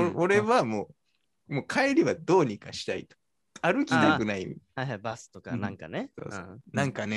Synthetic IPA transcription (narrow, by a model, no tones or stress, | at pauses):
ooɾe̞βamo̞ː | mo̞ːkʰaeɾʲiβad̪o̞ːɲ̟ikaɕi̥t̪aḭt̪o̥ | aɾɯ̟kʲiakɯ̟naihajɦabasɨ̥t̪oka̰nãŋka̰neso̰ːo̰nãŋkane